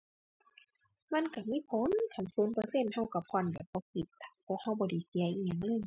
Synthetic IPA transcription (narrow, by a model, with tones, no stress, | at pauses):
ma˧˥˨nka˧˩miː˧˥˨pʰo˧˦˨nk̪ʰa˨˧˩nsuː˨˦npɤː˧se˧˨nha˧˥˨wka˧˩pʰɔː˧˥˨nbɛː˨˩p̚bɔː˧˩ki˧˩t̪̚a˧˩pʰu˧˨k̚ha˧wbɔː˧da˧˩˨si˨˦ʔiː˧ɲa˧˨ŋlɤː˧˥˨j